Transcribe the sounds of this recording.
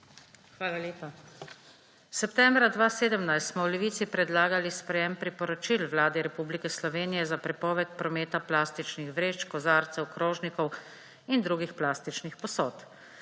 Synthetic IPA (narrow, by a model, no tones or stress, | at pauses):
xʋaːlaleːpa | sɛpt̪ɛːmbɾad̪ʋaːseːd̪əmnajst̪smɔwlɛʋiːt̪sipɾɛd̪laːɡalispɾɛjɛmpɾipɔɾɔt͡ʃilʋlaːd̪ɛɾɛpublikɛslɔʋeːnijɛzapɾɛpɔːʋɛt̪̚pɾɔmeːt̪aplaːst̪it͡ʃnixʋɾeːt͡ʃkɔzaːɾt̪sɛwkɾɔːʒnikɔw | ind̪ɾuːɡixplaːst̪it͡ʃnixpɔsɔːt̪